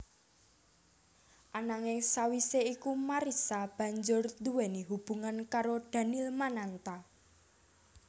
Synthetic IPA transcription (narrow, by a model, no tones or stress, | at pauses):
ʔanaŋesawiseikumaɾisab̥ä̤ɲd͡ʒʊrd̪uwɛniɦub̥ṳŋankaɾod̪̥ä̤nilmanant̪a